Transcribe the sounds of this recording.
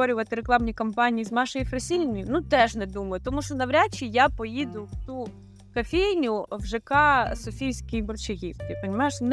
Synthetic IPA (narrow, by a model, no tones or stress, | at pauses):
ɔɾʲʊʋɐt̪ɪɾeklˠɑmnʲikɔmpɑnʲijiznɑʃɔjifɾɐsʲilʲnʲɔjʊnut̪ɛʒnɛd̪umɐjʊt̪ɔmuʃt͡ʃɔnɐʋɾʲat͡ʃʲːijapɔjid̪ʊwt̪u | kɐfʲejnʲʊʋʒɪkɑsɔfʲijsʲkʲijbɔrt͡ʃɪɦʲit̪ɪpɐnʲɪmɑjɪʃn